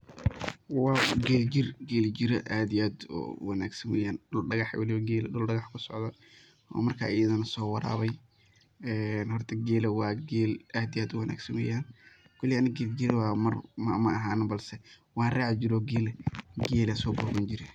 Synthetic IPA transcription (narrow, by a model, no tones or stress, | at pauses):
wɑːɡɛːld͡ʒɪrɡɛːld͡ʒɪɾɐʔaːd̪iaːd̪̰wɑnaːɡsɐnwɛ̰jaːnɖʊlɖɐɣɑħwʔɑ̰lɪwɐɡɛːlɖʊlɖɐɣɐħkʰʊsɔʕd̪ɐ | ɔ̰ːmɐrkʰa̰ːɪjɐðɐnɐsɔːwɑɾa̰ːβɛj | ɛːnhɔrt̪ʰɐɡɛːlɐwɑːɡɛːlaːd̪ijaːd̪ʊwɑnʔa̰ːɡsɐnwɛ̰jaːn | kʰɔlɪjanɐɡɛːld͡ʒɪɾwaːmɐrmɐmɐːɦaːnɐbɐlsɛ | wɑːnraːʕd͡ʒɪɾɔːɡɛːlɛɡɛːlɐsɔːbɔːɣɐnt͡ʃɪɾɪ